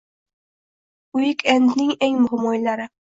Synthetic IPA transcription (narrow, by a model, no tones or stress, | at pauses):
ʊjɪkʲɛnd̪nɪŋeŋmʊɦmojlaɾɪ